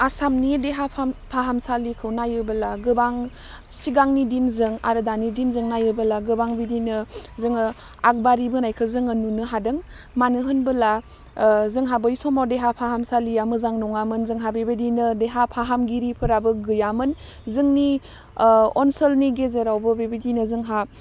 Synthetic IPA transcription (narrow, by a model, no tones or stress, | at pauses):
asamnideɦapʰpʰaɦamsalikʰɯwnajɯbɯlaɡɯbaŋ | siɡaŋnidinzɯŋa̰ɾɯdanidinzɯŋnajɯbɯlaɡɯbaŋbidinɯzɯŋɯ | ak̚baɾibɯnajkʰɯzɯŋɯnunɯɦadɯŋ | manɯɦɯnbɯla | zɯŋɦabəjsɔmawdeɦapʰaɦamsalijamɯzaŋnɔŋamɯnzɯŋɦabebedinɯdeɦapʰaɦamɡiɾipʰɯɾabɯɡɯjamɯn | zɯŋni | ɔnsəlniɡezeɾawbɯbebidinɯzɯŋɦa